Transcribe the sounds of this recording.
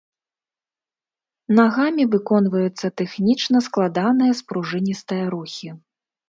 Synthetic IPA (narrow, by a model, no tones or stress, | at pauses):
naɣamʲivɨkɔnvɐjut̪sːɐt̪ɛxnʲit͡ʂnɐsklˠad̪an̪ɐjɐspɾuʐɨnʲist̪ɐjɐɾuxʲi